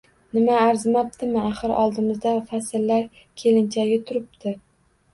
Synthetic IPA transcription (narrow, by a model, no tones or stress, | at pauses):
nɪmaːɾzmap̚t̪ɪmɪaχɨɾɒ̰lˠd̪ɪmɪzd̪afasɪlːaɾ | kʲʰe̞lɪnt͡ʃʰaɡʲɪt̪ʰʊɾɪp̚t̪ʰɪ